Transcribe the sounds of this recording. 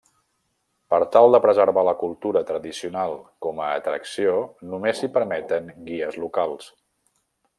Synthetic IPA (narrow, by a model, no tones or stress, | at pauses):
pəɾt̪alˠd̪əpɾəzəɾβaləkulˠt̪uɾət̪ɾəðisiunalˠkɔməːt̪ɾə̰ksionumesipəɾmɛt̪əŋɡiəzlukalˠs